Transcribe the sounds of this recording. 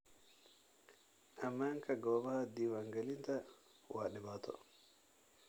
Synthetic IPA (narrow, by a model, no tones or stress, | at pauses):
ʔamːaŋkaɡɔːbahad̪iwaŋɡalint̪a | waːɗɛbat̪ɔ̰